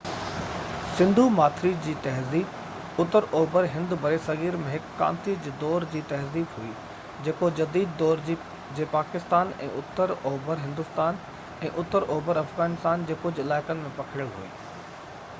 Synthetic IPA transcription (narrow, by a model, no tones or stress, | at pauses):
sɪ̃nd̪ʱumaːt̪ʰɾid͡ʑiːt̪ɐɦziːb | ʊt̪əɾoːbəɾɦɪ̃nd̪bʱɐɾesɐɣiːɾmẽɦɪkːã̰ːnt̪id͡ʑeːd̪ɔːɾd͡ʑiːt̪ɐɦziːbɦui | d͡ʑeːkod͡ʑɐd̪iːd̪ːɔːɾd͡ʑiː | d͡ʑeːpaːkɪst̪aːnɛ̰̃ːʊt̪ːəɾoːbəɾɦɪ̃nd̪ʊst̪aːn | ɛ̃ːʔʊt̪əɾʔoːbəɾɐfɣaːnɪst̪aːnd͡ʑeːkʊd͡ʑɪlaːɪkənɪ̆mẽpɐkʰɪɽəlɦṵḭː